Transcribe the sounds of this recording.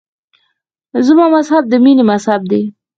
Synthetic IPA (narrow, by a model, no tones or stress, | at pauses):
zəmɑmashab̚d̪əminemashab̚d̪e